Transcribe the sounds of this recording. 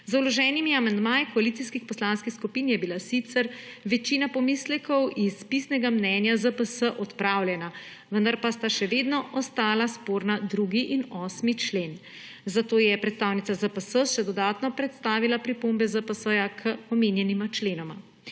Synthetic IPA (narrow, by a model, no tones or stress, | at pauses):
zulɔʒɛnimiamand̪maːjikɔalit̪iskixpɔslanskixskupiːnjɛbilasit̪səɾʋɛt͡ʃiːnapɔmiːslɛkɔwʔispisnɛɡamnɛnjazəpəsəʔɔt̪pɾaːwlʲjɛna | ʋənd̪aɾpast̪aʃɛʋeːd̪nɔʔɔst̪aːlaspoɾnad̪ɾuːɡiʔinɔsmit͡ʃleːn | zat̪oːjɛpɾɛt̪st̪aːwnit̪sazəpəsəʃɛd̪ɔd̪aːt̪nɔpɾɛt̪st̪aːʋilapɾipombɛzəpəsəjakʰəɔmeːnjɛnimat͡ʃleːnɔma